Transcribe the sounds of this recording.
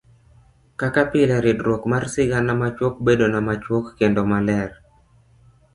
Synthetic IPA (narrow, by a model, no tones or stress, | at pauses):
kakapɪlɛɾɪdɾwokmarsɪɡanamat͡ʃwok̚bedonamat͡ʃwokːendomalɛr